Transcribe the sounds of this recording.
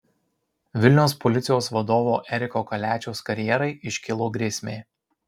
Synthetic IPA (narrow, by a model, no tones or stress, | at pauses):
ʋʲɪlʲnʲɛʊspɔlʲɪt̪sʲɪjoːsʋɐd̪oːʋoːʔɛɾʲɪkoːkɐlʲæːt͡ʃʲɛʊskɐɾʲjɛɾɐɪɪʃʲkʲɪlˠoːɡɾʲeːsʲmʲeː